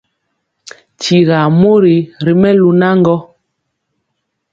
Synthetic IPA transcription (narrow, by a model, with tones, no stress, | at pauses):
t͡ʃi˨ɣa˨mo˦ɾi˨ɾi˨mɛ˦lu˨na˦ŋ˦ɡɔ˦